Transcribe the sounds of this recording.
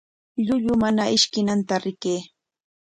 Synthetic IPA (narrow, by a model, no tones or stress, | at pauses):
ʎʊʎʊmanaʔɪʃkɪnant̪aɾɪkeː